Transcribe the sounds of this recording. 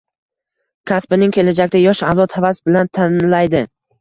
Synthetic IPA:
kʲʰaspɪnɪŋkʲʰe̞lad͡ʒak̚ʲt̪ajɒʃavzɒt̪havasbɪlant̪ʰanlajd̪ɪ

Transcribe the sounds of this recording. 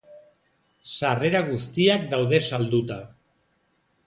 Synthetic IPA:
sare̞ɾaɣust̪iak̚d̪awðe̞sald̪ut̪a

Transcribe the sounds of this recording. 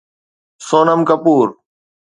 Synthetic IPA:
soːnəmkəpuːɾ

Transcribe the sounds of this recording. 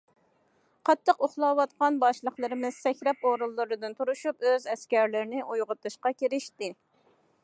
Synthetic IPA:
qʰɑt̪ʰːəqoχlˠɑwɑt̪qɑnbɑʃlˠəχlˠɨɾɨmɨz̥sɛkʲɾɛpoɾulˠːɨɾɨd̪ɨnt̪ʰuɾuʃupøzɛskʲæɾlɪɾɪnɪʔujʁʊt̪ɨʃqɑkʲeɾɪʃt̪ɪ

